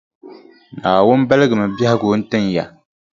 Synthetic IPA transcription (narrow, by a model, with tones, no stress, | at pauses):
naː˨wʊ˦n˦bɛ˦lɨ˦ɡɨ˨mɨ˨ba˦hɪ˦ɡo˨˦n̩˦tɨ˦nja˨